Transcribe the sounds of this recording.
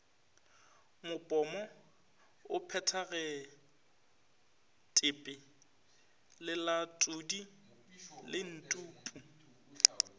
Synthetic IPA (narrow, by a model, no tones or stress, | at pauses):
mʊpʼɔmɔ | ʊpʰɛtʰaɣɛ | tʼɪpʼɪ | lɪlatʼudi | lɪn̩tʼuːpʼu